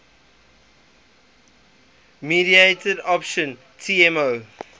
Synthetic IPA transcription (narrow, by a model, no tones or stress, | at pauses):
miɾieɪtədɔpʃə̃n | tʰiɛmo